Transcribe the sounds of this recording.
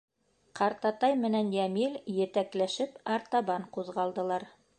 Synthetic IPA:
qɑɾt̪ɑt̪ɑjmɘ̆nænjæmiljɘ̆t̪æklæʃɘpɑɾt̪ɑβɑɴquðʁɑlˠd̪ɤ̆lˠɑɾ

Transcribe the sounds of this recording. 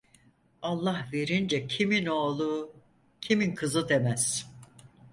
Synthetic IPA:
alˠːahve̞ɾind͡ʒɛcʰiminoːlˠu | cʰiminkʰɯzɯd̪emæz̥

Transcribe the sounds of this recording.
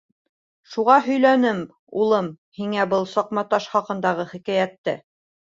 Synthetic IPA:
ʃuʁɑɦɵ̆jlænɘm | ulˠɤm | hiŋæbɤlˠsɑq̚mɑt̪ɑʃχɑqɤ̆nd̪ɑʁɤχikæjæt̪ːɘ̰

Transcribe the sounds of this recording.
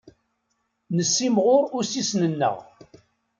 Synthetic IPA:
nəsːimʁʊɾʊɾsisnənːə̰ʁ

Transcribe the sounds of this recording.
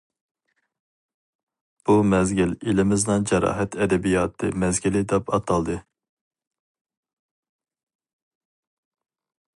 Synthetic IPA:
b̥umɛzɡʲililɪmɪznɨŋd͡ʒɛɾɑ̰ːɦɛt̪ʰɛd̪ɛbijɑːt̪ʰɨmɛzɡʲilɪd̪ɛpʰɑt̪ʰɑlˠd̪ɨ

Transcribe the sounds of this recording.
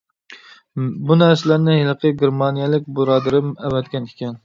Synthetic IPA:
bunæɾsɪlæɾnɪhelˠəqʰəɡʲeɾmɑnijɛlɪk̚ʲbuɾɑːd̪ɨɾɪmɛwɛt̪̚kʲɛnʰikʲʰɛn

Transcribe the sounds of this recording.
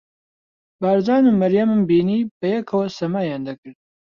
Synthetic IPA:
baːɾzɑːnumɐɾjɐmɨmbiːniːbɐjɛkʰɐwɐsɐmaːjaːnd̪ɐkɨɾd̪̚

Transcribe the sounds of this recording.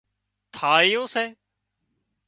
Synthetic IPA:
t̪ʰaːɪjõːseː

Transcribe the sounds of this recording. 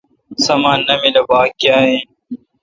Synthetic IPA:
sɐmaːnːɐmilɐbaːkiaːɦẽ

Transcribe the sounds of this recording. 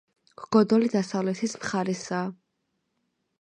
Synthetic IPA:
ɡ̥ɡɔd̪ɔlid̪asavlɛt̪ʰismχaɾɛsaː

